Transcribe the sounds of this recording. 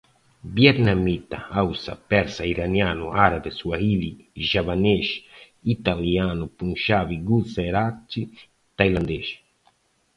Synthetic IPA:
bjɛɾnamit̪aawsa̰pɛɾsaiɾanjanṵaɾabesuahiliʒapaneʃ | it̪alianupuŋʃaβiɡuseɾat͡ʃːi | t̪ajland̪eʃ

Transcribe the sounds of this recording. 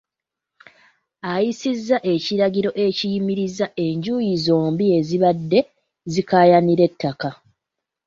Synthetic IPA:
ajisizːaʔe̞ciɾaɟiɾo̞ʔe̞cijimiɾizae̞ɲɟuːjizo̞ːmbie̞ziβadːe̞ | zikaːjaniɾe̞tːaka

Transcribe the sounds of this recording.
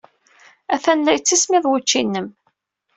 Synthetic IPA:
æθænlæjət͡sːismɪðˤwət͡ʃːinːəm

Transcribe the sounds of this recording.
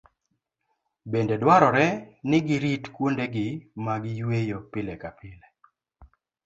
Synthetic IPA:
bendedwaɾɔɾɛnɪɡɪɾitkwondeɡɪmaɡɪjwejopɪlɛkapɪlɛ

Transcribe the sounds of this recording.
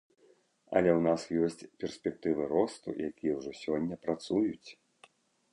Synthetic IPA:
ɐ̰lʲɛwnasjɔsʲt͡sʲpʲɛrsʲpʲɛk̚t̪ɨvɨɾɔst̪ṵjakʲijɐwʐɔsʲɔnʲːɐpɾat̪sujut͡sʲ

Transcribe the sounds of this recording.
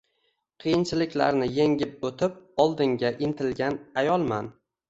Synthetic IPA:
qʰɨjɪnt͡ʃʰɪlɪkʲla̰ɾnɪjeŋʲɪp̚ot̪ʰɪp̚ɒlˠd̪ɪŋɡʲaʔɪnt̪ʰɪlɡʲanajɒlˠman

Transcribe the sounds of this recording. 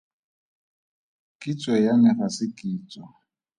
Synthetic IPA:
kʼit͡sʼwɛjanɛrasɪkʼiːt͡sʼa

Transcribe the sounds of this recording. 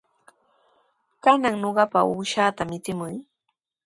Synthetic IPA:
kanaŋɲoɢɑpauːʃaːt̪amɪt͡sɪmʊj

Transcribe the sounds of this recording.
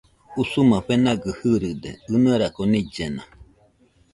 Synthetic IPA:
usumaɸenaɡɨhɨɾɯd̪ḛɨnɨaɾakonid͡ʒena

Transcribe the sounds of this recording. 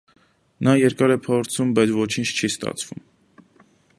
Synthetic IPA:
nɑjɛɾkɑɾɛpʰɔɾt͡sʰumbɑjt͡sʰvɔt͡ʃʰint͡ʃʰt͡ʃʰist̪ɑ̰t͡sʰvum

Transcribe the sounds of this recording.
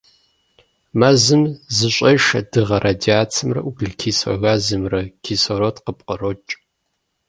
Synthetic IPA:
mɐzɨmzɨɕʷʼɐʃɐ̰dɨʁɐɾʔadiaːt͡sʰɨmrɐ̰ʔuɡɨlkʰiːsɐ̰ɣazɨmrɐkʰiːsoɾotqəp̚qərot͡ʃʼ

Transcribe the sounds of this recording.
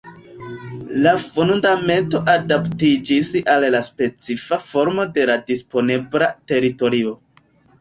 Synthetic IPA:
lafundame̞nto̞ʔadaptid͡ʒisallaspe̞t͡sifafo̞ɾmo̞de̞ladispo̞neblate̞ɾito̞ɾio̞

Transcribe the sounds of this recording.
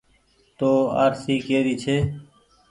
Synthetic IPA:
t̪oːa̰ːɾsiːkeːɾiːt͡ʃʰeː

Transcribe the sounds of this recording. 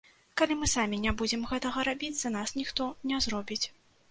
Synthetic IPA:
kalʲimɨsamʲinʲɛbud͡zʲɛmɣɛt̪ɐɣɐɾabʲid͡zʲzɐnasnʲixt̪ɔnʲɛzɾɔbʲit͡sʲ

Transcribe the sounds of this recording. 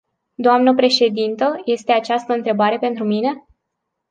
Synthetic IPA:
d̪oamnəpɾe̞ʃe̞d̪int̪əje̞st̪e̞at͡ʃast̪əɨnt̪ɾe̞baɾe̞pe̞nt̪ɾumine̞

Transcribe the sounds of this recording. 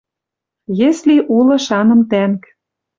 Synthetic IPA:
jesliʔulɤ̆ʃɑnɤ̆mt̪æŋk

